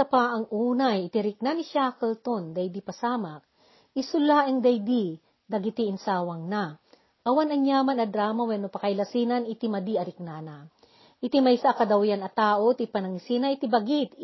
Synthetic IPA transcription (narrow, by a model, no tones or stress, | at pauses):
sɐpaʔɐŋʔuːnajɪt̪ɪɾɪk̚nanɪʃaːkɛlt̪ond̪ɐjd̪ipɐsaːmɐk | ʔɪsʊlaʔɪŋd̪ɐjd̪i | d̪ɐɡɪt̪iɪnsaːwɐŋna | ʔɐwanɐŋjaːmanɐd̪ɾaːmɐwɛnopɐkɐjlɐsinɐnɪt̪imɐd̪iɐɾɪk̚nanɐ | ʔɪt̪imɐjsakɐd̪ɐwjanɐt̪aːʔot̪ipɐnɐŋɪsinɐʔɪt̪ibɐɡɪt̪